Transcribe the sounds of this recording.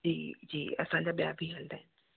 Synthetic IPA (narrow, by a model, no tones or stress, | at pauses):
d͡ʒiːd͡ʒḭːə̰sãːd͡ʒaːbja̰ːbʱiːɦəld̪aːɦɛː